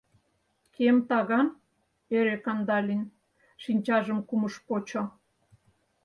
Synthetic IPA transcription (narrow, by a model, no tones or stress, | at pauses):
kʰemt̪ɑɣɑn | eɾekɑnd̪ɑlʲin | ʃinʲt͡ɕɑʒəmkuməʃpot͡ɕo